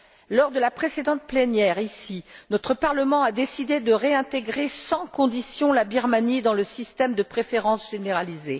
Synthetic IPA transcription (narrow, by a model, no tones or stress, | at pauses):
lɔʁd̪əlapχesed̪ɑ̃t̪̚plenjɛʁisinɔt̪χəpaʁləmɑ̃ad̪esid̪ed̪əʁeɛ̃t̪eɡʁesɑ̃kɔ̃d̪isjɔ̃labiʁmanid̪ɑ̃ləsist̪ɛmd̪əpχefeʁɑ̃sʒ̥eneʁalize